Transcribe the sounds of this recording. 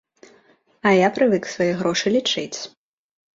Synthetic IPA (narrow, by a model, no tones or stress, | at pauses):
ɐjapɾɨvɨksvɐjɛɣɾɔʂɨlʲit͡ʂɨt͡sʲ